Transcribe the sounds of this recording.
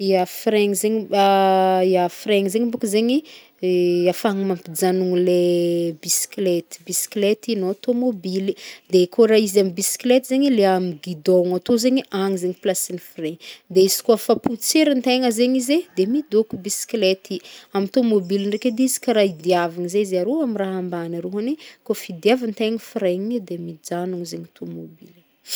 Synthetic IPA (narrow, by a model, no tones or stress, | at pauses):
iafreŋizeɲaiafreŋizeɲibukəzeɲi | afaŋimampid͡zanuŋilebisi̥klet̪i̥bisi̥klet̪inoat̪omobilid̪ekʰoɾaizamibisi̥klet̪izeɲileamiɡid̪oŋat̪ozeɲiʔaŋizeɲiplasinifreŋd̪eizi̥kuafaput͡seɾənt̪eŋəzeɲized̪emid̪okubisi̥klet̪iamit̪omobilinreked̪eizi̥kaɾaid̪iavaŋizezeaɾoamiraɦambanəɾoɦanekofid̪iavənt̪eŋifiɾeɲiid̪emid͡ʒanuŋzeɲat̪omobili